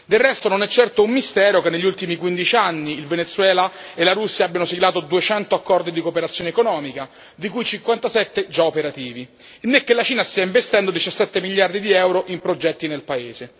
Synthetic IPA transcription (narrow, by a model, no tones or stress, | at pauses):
d̪elrɛst̪ononɛt͡ʃːɛrt̪oumːist̪ɛːɾokenːeʎːiult̪imikwind̪it͡ʃianːiːlvenet̪sːwɛːlaelaɾusːjaabːjanosilaːt̪od̪uet͡ʃɛnt̪oakːɔrd̪id̪ikopeɾat̪sːjoːnekonɔːmika | d̪ikujt͡ʃiŋkwant̪asɛt̪ːed͡ʒaopeɾat̪iːvi | nːekːelat͡ʃiːnast̪iaiɱvest̪ɛnd̪od̪it͡ʃasːɛt̪ːemiʎːard̪id̪iɛwɾoʔimpɾod͡ʒɛt̪ːinelpaeːze